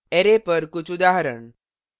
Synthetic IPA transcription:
eɾepəɾkut͡sud̪aɦɾəɳ

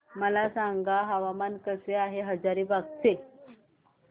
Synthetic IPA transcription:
məlasaŋɡaɦəʋamankəseaɦeɦəd͡zaɾiːbʱaɡt͡se

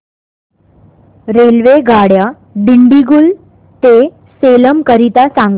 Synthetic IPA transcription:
ɾelʋeɡaɽja | ɖiɳɖiɡuːl | t̪e | seləmkəɾit̪asaŋɡ

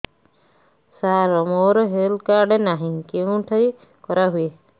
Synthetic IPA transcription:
saɾɔmoːɾɔɦelkaɾɖenaɦĩŋkeũʈʰəj | kɔɾaɦue

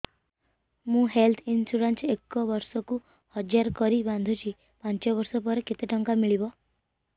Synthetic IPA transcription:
mũɦelt̪ʰinsuɽansekːɔʋɔɾsɔku | hɔd͡ʒjaɾkɔɾiband̪ʱut͡ʃʰi | pant͡ʃɔbɔɾsɔp̬ɔɾeket̪eʈɔŋkamiɭibɔ

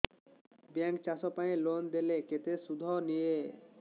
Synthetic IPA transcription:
baŋk̚t͡ʃasɔpaelond̪eleket̪esud̪ʱɔnije

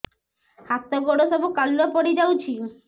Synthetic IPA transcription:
hat̪ːoɡoɽosɔbukalːopɔɽid͡ʑawt͡ɕʰi

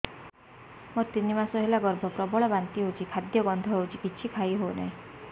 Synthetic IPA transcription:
mɔt̪inimasɔɦelaɡɔɾbʱɔpɾɔbɔɭɔbant̪iɦot͡ʃʰikʰad̪jɔɡɔnd̪ʱɔɦewt͡ʃʰikit͡ʃʰikʰaiɦona̰ɦĩ

